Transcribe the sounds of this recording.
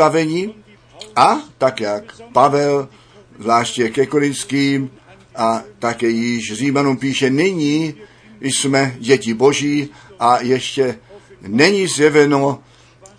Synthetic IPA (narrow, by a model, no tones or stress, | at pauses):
avɛɲi | ʔat̪akjakpavɛl | zlaːʃtcɛkɛkoɾɪnt̪skiːm | ʔat̪akɛːjɪʃriːmanumpiːʃɛnɪɲi | smɛɟɛciboʒiːʔajɛʃcɛnɛɲizjɛvɛno